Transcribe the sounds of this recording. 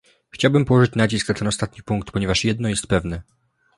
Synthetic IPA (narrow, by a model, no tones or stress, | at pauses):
xt͡ɕawbɘmpɔwɔʐɘt͡ɕnad͡ʑisknat̪ɛnɔst̪at̪ɲipuŋk̚t̪pɔɲɛvaʂjɛd̪nɔjɛst̪̚pɛvnɛ